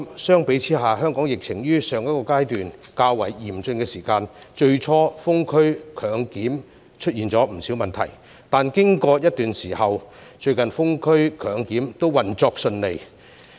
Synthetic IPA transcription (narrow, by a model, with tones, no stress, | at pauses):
sœː˥ŋpe˨˥jt͡sʰiː˥ɦaː˨˩ɦœː˥ŋkɔː˨˥ŋjɪ˨k̚t͡sʰɪ˨˩ŋjyː˥sœː˨ŋjɐ˥t̚kɔː˧kaː˥jt̪yː˨nkaː˧wɐ̰˨˩jjiː˨˩mt͡sɵ˧nkɛː˧siː˨˩kaː˧nt͡ʃɵ˧ɥt͡ʃʰɔː˥fʊ˥ŋkʰɵ˥ɥkʰœː˨˧ŋkiː˨˥m | t͡ʃʰɵ˥t̚jiː˨nt͡sɔː˨˥m̩˨˩siː˨˥wmɐ˨nt̪ʰɐ̰˨˩j | t̪aː˨˩nkɪ˥ŋkɔː˧jɐ˥t̚t̪yː˨nsiː˨˩hɐ˨wt͡ʃɵ˧ɥkɐ˨nfʊ˥ŋkʰɵ˥ɥkʰœː˨˧ŋkiː˨˥mt̪o˥wwɐ˨nt͡sɔː˧k̚sɵ˧nle˨j